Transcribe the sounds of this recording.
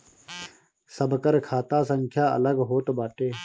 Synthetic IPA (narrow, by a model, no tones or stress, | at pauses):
səbkəɾkʰaːt̪aːsəŋkʰjaːə̰ləɡɦoːt̪obaːʈeː